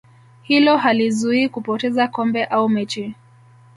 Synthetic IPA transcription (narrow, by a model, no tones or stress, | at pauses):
hilɔɦalizuikupɔtɛzakɔmbɛʔaumɛt͡ʃi